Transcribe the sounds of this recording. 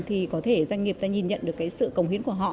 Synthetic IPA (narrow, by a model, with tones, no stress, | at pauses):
t̪ʰi˨˩kɔ˨˦t̪ʰe˧˩za˧ŋ̟ŋi˨˩əp̚t̪aː˧ɲi˧nɲə̰˧˨nɗɨ˨˩əkːaː˨˦jsɨ̰˧˨kə˨˩wŋ͡mhi˨˦ŋku˧˩əɦɔ̰˧˨